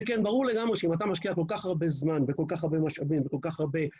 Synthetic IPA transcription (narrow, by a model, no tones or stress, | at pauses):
kenbaʁuʁle̞ɡamʁeʃeimat̪̬amaʃkiako̞lkaχaʁbe̞zmanveko̞lkaχaʁbe̞maʃavimveko̞lkaχaʁbe̞